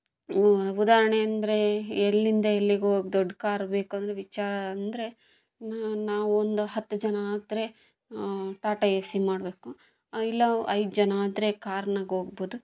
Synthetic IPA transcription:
ud̪aːɾɐɳeɐnd̪ɐɾe̞ːlːind̪ɐelːiɡeoːɡd̪ɔɖːkaːɾbe̞ːkuɐnd̪ɾeʋit͡ʃaːɾɐnd̪ɐɾe̞ | naːʋuond̪uhɐt̪ːud͡ʒɐnɐaːd̪ɾe̞ | ʈaːʈɐesimaːɽbe̞ːku | ilːɐɐjd̪d͡ʒɐnɐaːd̪ɾe̞kaːɾnaɡo̞ːɡboːd̪u

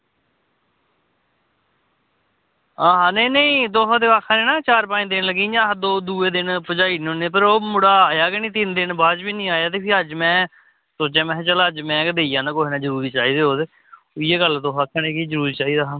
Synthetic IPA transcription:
aːɦãːnəiːnəĩːd̪oːɦãːd̪ekaːkʰːaːnẽːnaːt͡ʃaːɾpãːd̪ɪnləɡĩːd͡ʒãːɦãd̪oːd̪uːeːd̪ɪnpəd͡ʒaːiːnõneːpəɾoːmʊɽaːjaːkenĩːt̪ɪnd̪ɪnbaːd͡ʒbiːnĩːaːjaːt̪eːpʰɪɾəd͡ʒmɛ̃ː | soːt͡ʃãːmɛ̃ːt͡ʃələd͡ʒmɛ̃ːkəd̪eːijãːnãːkoːɦenãːd͡ʒəɾuːɾiːt͡ʃaːiːd̪eːoːd̪e | ʊɪjeːɡəlt̪oːɦaːkʰːaːneːkiːd͡ʒəɾuːɾiːt͡ʃaːiːd̪aː

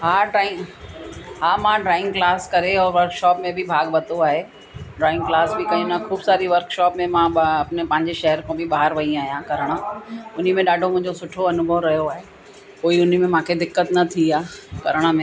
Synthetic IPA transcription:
ɦaːɖɾaːɪ̃ŋ | ɦaːmãɖɾaːɪ̃ŋɡklaːskɐɾeɔːɾʋɐɾkʃɔːpmẽbʱɪbʱaːɡbɐt̪oaːɦe | ɖɾaːɪ̃ŋɡklaːsbʱɪkɐĩnãkʰuːbsaːɾiʋɐɾkʃɔːpmẽmãɐpɪnepɐ̃ɦɪ̃ɲd͡ʑeʃɐɦəɾkõbʱɪɓaːɦəɾʋɐĩaːɦijãkɐɾəɽ̃ə̆ʊn̤imẽɗaːɖʱomʊ̃ɦɪ̃ɲd͡ʑosʊʈʰoɐnʊbʱəʋɾɐɦjoaːɦe | koːiʊn̤imẽmãːkʰed̪ɪkːət̪nɐt̪ʰiaːkɐɾəɽ̃ə̆mẽ

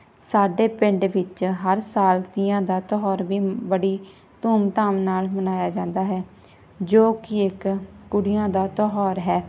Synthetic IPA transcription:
saːɖeːpɪ̃ɳɖʋɪt͡ʃɦəɾsaːlt̪iːãːd̪aːt̪ɔɦɔːɾʋiːbəɽiː | t̪uːmt̪aːmnaːlmənaːjaːd͡ʒãːnd̪aːɦɛː | d͡ʒoːkɪɪkkːʊɽɪjãːd̪aːt̪ɔɦɔːɾɦɛː

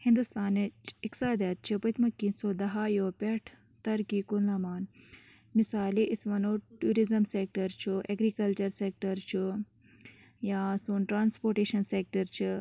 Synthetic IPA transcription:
hĩnd̪ust̪aːnɐt͡ʃʰiksaːd̪ɐt̪̚t͡ʃʰɨpɐt̪ʰmɐkːiːnsoːd̪ɐɦajoːpʲeʈʰ | t̪ɐɾkiːkunlɐmaːn | misaːliʔisʋɐnoːʈuːɾizɐmseːk̚ʈɐɾt͡ʃʰuʔeɡɾikɐlt͡ʃɐɾseːk̚ʈɐɾt͡ʃʰu | jaːsoːnʈɾaːnspoːɾʈeːʃɐnsek̚ʈɐɾt͡ʃʰi

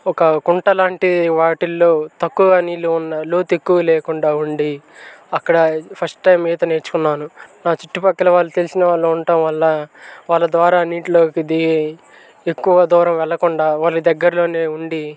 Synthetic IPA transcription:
ɔkɐkuɳʈɐlaːɳʈiʋaːʈilːoːt̪ɐkːuːɡaːniːlːuunːɐloːt̪e̞kːuʋɐlɛːkuɳɖaːuɳɖi | ɐkːɐɽɐpʰɐsʈʈɐjmːiːd̪ɐne̞ːɾt͡ʃu̥kunːaːnunaːt͡ʃiʈːupɐkːɐlɐʋaːlːut̪elisinɐʋaːɭːɐuɳʈɐmʋɐlːɐʋaːlːɐd̪ʋaːɾaːniːʈlo̞ːkid̪iɡe | ekːuʋɐd̪uːɾɐmʋɛɭːɐkuɳɖaːʋaːlɐkid̪ɐɡːɐɾlo̞ːne̞ːuɳɖi

